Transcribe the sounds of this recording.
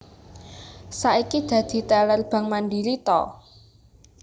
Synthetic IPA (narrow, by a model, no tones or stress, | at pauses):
saʔikid̪̥ä̤d̪̥i̤t̪ɛlərb̥ä̤ŋmanɖilit̪ɔ̰